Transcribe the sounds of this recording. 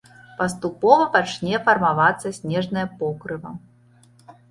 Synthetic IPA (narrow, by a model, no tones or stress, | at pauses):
pɐst̪upɔvɐpat͡ʂnʲɛfɐrmavat̪sːɐsʲnʲɛʐnɐjɐpɔkɾɨvɐ̰